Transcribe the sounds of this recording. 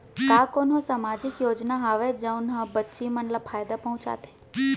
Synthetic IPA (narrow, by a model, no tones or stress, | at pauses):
kaːkoːnõsamaːd͡ʒɪkjoːd͡ʒnaɦaːʋed͡ʒə̃ʊnɦãbətːʃimənləbfʰaːjd̪apɐɦʊ̃t͡ʃa̰ːt̪e